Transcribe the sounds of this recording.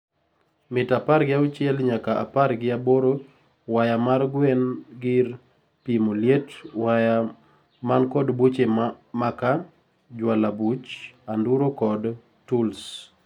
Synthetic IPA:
mɪtapaɾɡɪaʊt͡ʃɪɛlɲakaʔa̰parɡɪaboɾo | wajamarɡwɛnɡɪr | pimoljetwaja | mankɔdbut͡ʃemaka | d͡ʒwalabut͡ʃanduɾokɔd | tuls

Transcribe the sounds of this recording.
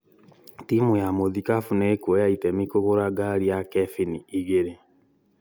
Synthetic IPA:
timujamoðikafunekwjaitɛmikoɣoɾaɡaɾiakɛfiniiɣeɾe

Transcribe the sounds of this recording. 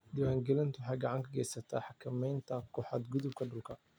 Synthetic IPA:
d̪ɪwaːŋɡɛlɪnt̪ʰʊħɑjɡɑʕɑŋkʰɐɡɛjsɐt̪ʰa̰ːħɑkʰɐmɛjnt̪ʰɐkʰɔħɑd̪ɡʊðʊb̚kʰɐɖʊlkʰɐ

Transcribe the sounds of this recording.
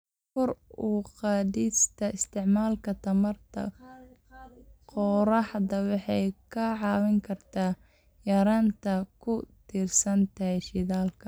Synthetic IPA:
fɔruːqɑːdiːst̪ʰɐɪst̪ʰɪʕmaːlkʰɐt̪ʰɐmɐrt̪ʰɐ̰ | qɔɾɑħd̪ɐwɑħɑjkʰɐʕɑːwɪŋkʰɐrt̪ʰaː | jɐɾaːnt̪ʰɐkʰʊt̪ʰiːrsɐnt̪ʰɐɦɛjʃɪðaːlkʰɐ

